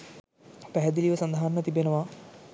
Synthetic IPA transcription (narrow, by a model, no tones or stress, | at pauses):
pæɦæd̪iliʋəsand̪aɦanːət̪ibenəʋa